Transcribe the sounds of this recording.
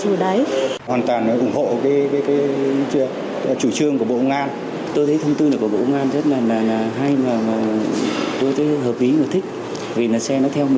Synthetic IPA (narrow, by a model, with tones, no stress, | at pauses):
ɨ˨˧˩ɗa˨˦jwaː˨˩nt̪waː˨˩n˨˦ʔʊ˧˩ŋ͡mho̰˧˨kaː˨˦jkaː˨˦jkaː˨˦˧ | t͡ɕu˧˩t͡ɕɨ˧əŋku˧˩əɓo̰˧˨ʔə˧ŋ͡mʔaː˧n | t̪o˧jt̪ʰə˨˦jt̪ʰə˧wŋ͡mt̪ɨ˧nəː˨˩ku˧˩ɓo̰˧ʔwŋʔaː˧nzə˦˥t̚laː˨˩laː˨˩naː˨˩ɦa˧jmaː˨˩maː˨˩ | t̪o˧jt̪əː˨˦ɦəː˨˩p̚ʔli˨˦ma˨˩t̪ʰï˦˥k̟̚ | vi˨˩naː˨˩sɛ˧nɔ˨˦t̪ʰɛ˧wm˨˩